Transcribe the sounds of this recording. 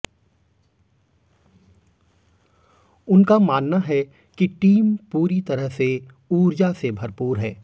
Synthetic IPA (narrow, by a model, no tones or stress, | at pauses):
ʊnkamaːnnaɦɛ | kiʈiːmpuːɾit̪ɐɾəɦse | uːɾd͡ʒasebʱɐɾpuːɾɦɛː